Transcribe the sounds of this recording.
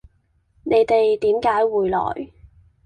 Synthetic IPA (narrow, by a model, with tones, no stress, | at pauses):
ne˨˧jt̪e˨jt̪iː˨˥mkaː˨˥jwuː˨jlɔ̰ː˨˩j